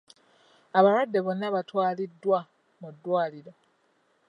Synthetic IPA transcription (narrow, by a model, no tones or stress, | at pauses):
aβaɾwadːe̞βo̞nːaβatwaːlidːwa | mudːwaːliɾo